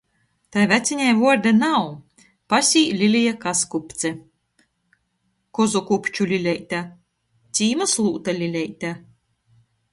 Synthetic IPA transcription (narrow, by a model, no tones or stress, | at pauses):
t̪ajvʲæt̪sʲiɲʲajvuɔɾd̪anaw | pasʲiːlʲilʲijakaskupt̪sʲɛ | kɔzɔkupʲt͡ʃulʲilʲɛjt̪ʲa | t̪sʲiːmaslˠuːt̪alʲilʲɛjt̪ʲa